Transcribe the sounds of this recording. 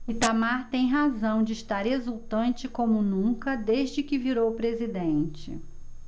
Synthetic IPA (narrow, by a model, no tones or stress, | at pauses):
it̪amaɾt̪ẽj̃ɦazɐ̃w̃d͡ʒɪːʃt̪aɾhezuwt̪ɐ̃nt͡ʃɪkõmʊnũkɐd̪eʒd͡ʒɪkɪviɾowpɾezid̪ẽnt͡ʃɪ̰